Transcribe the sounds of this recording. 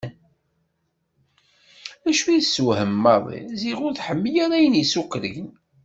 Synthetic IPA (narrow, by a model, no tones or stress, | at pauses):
æʃujsːwhəmːɑðˤḭziʁʊɾθħəmːjaɾˤæjənjəsukːɾəʝən